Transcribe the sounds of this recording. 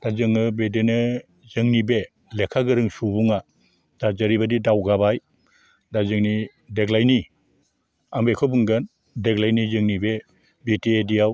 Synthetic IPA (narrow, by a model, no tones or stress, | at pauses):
d̥azɯŋnɯbedenɯ | zɯŋnibe | lekʰaɡɯɾɯŋsubuŋa | d̥azɯɾibadidawɡabaj | dazɯŋni | deɡlajni | ambekʰɔbɯŋɡɯn | deɡlajnizɯŋnibe | bitiedijaw